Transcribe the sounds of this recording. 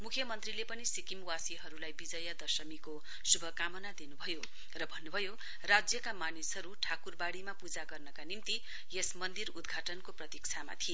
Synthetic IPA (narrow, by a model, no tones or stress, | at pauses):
mukʰjʌmʌnt̪rilepʌnisikimwasiɦʌɾulajbid͡zʌjad̪ʌsʌmiko | subʱʌkamʌnad̪inubʱʌjo | rʌbʱʌnːubʱʌjo | rad͡zjʌkamanisɦʌɾuʈʰakurbaɽimapud͡zaɡʌrnʌkanimt̪i | jesmʌnd̪irud̪ɡʱaʈʌnkoprʌt̪ik̚t͡sʰama̰t̪ʰie